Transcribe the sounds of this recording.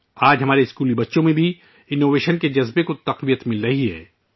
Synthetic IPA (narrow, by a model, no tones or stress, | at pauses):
aːd͡ʒɦɐmaːɾeɪskuːlibɐtːʃõmẽbʱi | ɪnoːʋeːʃənked͡ʒɐzbekot̪ɐqʋijət̪mɪlɾɐɦiɦɛ̰ː